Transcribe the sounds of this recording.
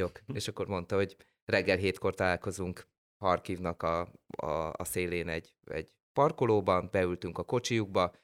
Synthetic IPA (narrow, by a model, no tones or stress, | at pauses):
okeːʃɒkːo̞rmo̞nt̪ɒɦo̞ɟ | rɛɡːɛlɦeːt̪ko̞rt̪ɒlaːlko̞zuŋk | hɒrkivnɒkɒ̰ː | seːleːnɛɟ | ɛ̰ɟ | pɒrkoloːbɒnbɛylt̪yŋkɒko̞t͡ʃijuɡ̚bɒ